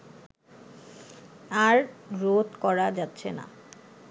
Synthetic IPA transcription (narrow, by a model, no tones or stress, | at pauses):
aɾɾot̪kɔɾad͡ʑatːɕʰena̰